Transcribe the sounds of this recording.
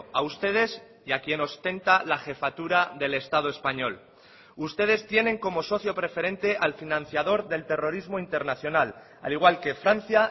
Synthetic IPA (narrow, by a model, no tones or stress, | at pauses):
aust̪e̞ð̞e̞s | jakje̞no̞st̪e̞nt̪alaxe̞fat̪uɾaðe̞le̞st̪að̞o̞e̞spaɲo̞l | ust̪e̞ð̞e̞st̪je̞nẽ̞ŋko̞mo̞so̞θjo̞pɾe̞fe̞ɾẽ̞nt̪e̞ʔalfinãn̟θjaðo̞ɾðe̞lt̪e̞ro̞ɾizmo̞int̪e̞ɾnaθjo̞nal | a̰liɣwalke̞fɾan̟θja